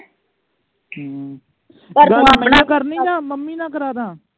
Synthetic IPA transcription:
əɡãːkəɾnĩːãːməmːiːnãːkəɾaːd̪ãː

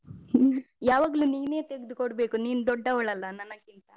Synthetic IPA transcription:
jaːʋaːɡɐluniːne̞ːt̪eɡid̪ukoɽbeːkuniːnud̪ɔɖːɐʋɐɭɐlːɐnɐnɐɡint̪ɐ

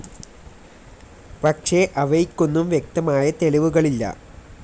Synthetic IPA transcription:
pɐkʂe̞ʔɐʋɐjikʲːunːumʋjek̚t̪ɐmaːjɐt̪e̞liʋuɣɐɭilːɐ̰

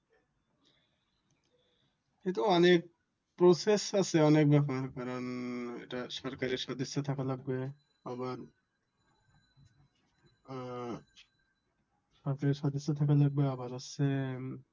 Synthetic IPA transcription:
kint̪uɔnek̚ | pɾosesasʰeɔnek̚bɛpaɾkaɾonḛʈaʃɔɾkaɾiɾʃɔd̪esːot̪ʰakalaɡ̚be | abaɾ | ʃɔɾkaɾiɾʃɔd̪esːot̪ʰakalaɡ̚beabaɾase

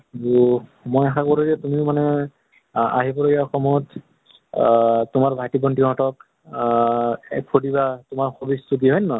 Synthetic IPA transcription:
umojaxakoɹoɡatumiʊmanɛ | a̰ɦipɔɹeɡaxɔmɔɔjɔt | tʊmaɹbʱajtibɔntiɦɔ̃tɔk | pʰodibatʊmaɹxobisut̬iɦɔjnːɔ

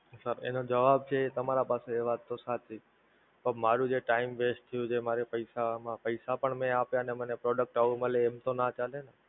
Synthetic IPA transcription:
səɾḛnod͡ʒəʋab̚t͡ʃʰeːt̪əmaɾapaseːʋat̪ːosat͡ʃʰi | pəmaɾũd͡ʒeʈaimʋeʃt̪ʰəjũd͡ʒemaɾepəjsamãpəjsapəɳmẽapjanemənepɾɔɖək̚ʈaʋũməleːmt̪onat͡ʃalene

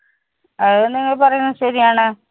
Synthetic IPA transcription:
ɐɨnːeŋːɐɭpɐrɐjunːɨɕɐɾijaːɳɨ

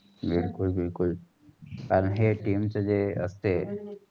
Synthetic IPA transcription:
biɽkulbiɽkul | kaɾənɦeʈimsəd͡ʒeə̰st̪e

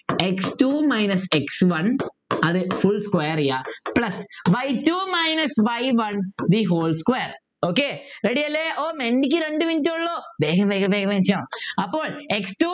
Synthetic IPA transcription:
eksʈuːmɐɪnɐseksʋɐn | ɐðɨfuɭskwɐjɐɾijaːpɭɐsʋɐjʈuːmɐɪnɐsʋɐjʋɐnd̪iɦoːlskwejɐɾ | oːkeɾeɽijɐlːeʔoːmeɳɖik̬ʲːɨɾeɳɖɨʋintːɨuɭːoːbeːɣɐmbeːɣɐbeɣɐment͡ʃãːɐpːoːɭeksʈuː

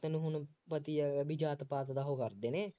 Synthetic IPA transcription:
t̪ənũːɦʊnpət̪iːbɪd͡ʒaːt̪paːt̪d̪aːɦoːkəɾd̪eːneː

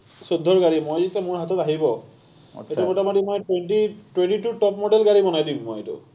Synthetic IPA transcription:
sod̪ʱːɔɹɡaɹimojzitɛmʊɹɦatɔtaɦibɔ | ejtɛmotamɔtimɔjtwentitwenʈitutɔpmoɖɛlɡaɹibɔnajdimːojtʊ̰

